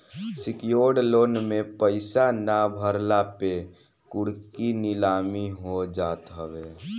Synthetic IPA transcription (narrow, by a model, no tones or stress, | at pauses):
sɪkjoːɽloːnmẽpəɪsanabʱəɾlape | kʊɽ̤kinɪlaːmiɦod͡ʒaːt̪ɦəʋeː